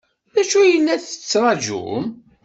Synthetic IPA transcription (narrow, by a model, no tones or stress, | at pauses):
ðæʃujənːæθə̥t͡sːɾˤɑʒṵm